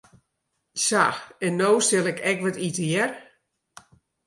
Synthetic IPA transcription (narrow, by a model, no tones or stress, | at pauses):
saxɛnːowstɪlˠɛkʰɛkʋɔtitəjɛr